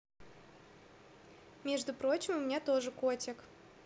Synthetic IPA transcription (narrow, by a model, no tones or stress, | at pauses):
mʲeʐd̪ʊpɾo̞t͡ɕɪmʊmʲɪnʲat̪o̞ʐɨkotʲɪk